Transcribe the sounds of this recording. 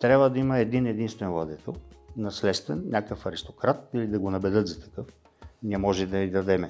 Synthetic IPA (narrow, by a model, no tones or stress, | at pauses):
t̪ɾʲabvəd̪ɐiməɛd̪inɛd̪inst̪vɛnvlˠɐd̪ɛt̪ʰɛlˠnɐslɛt̪st̪vɛnnʲakəfɐɾist̪okɾat̪ilid̪ɐɡonɐbɛd̪ɤt̪zɐt̪ɐ̥kɤf | nʲiɛmɔʒɛd̪ɐid̪ɐd̪ɛmɛ